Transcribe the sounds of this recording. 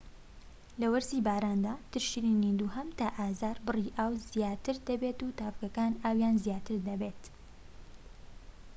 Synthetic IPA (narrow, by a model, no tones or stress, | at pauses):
lɐwɐɾziːbaːɾaːnd̪aːt̪ɨɾʃiɾiniːnd̪uːɦɐmt̪aʔaːzaːɾbɨriːʔaːwzijaːt̪ɨɾd̪ɐbet̪uːt̪aːfkɐkaːnaːwjaːnzijaːt̪ɨɾd̪ɐbeːt̪